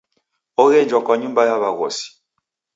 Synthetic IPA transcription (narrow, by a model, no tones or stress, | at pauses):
ɔɣɛnd͡ʒwɔkwaɲumbajaβaɣɔ̰si̥